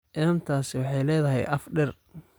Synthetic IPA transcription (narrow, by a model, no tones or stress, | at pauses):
ʔɪɐnt̪ʰaːsɪwɑħɑjlɛːðɐɦɛ̰jʔɐfɖɛr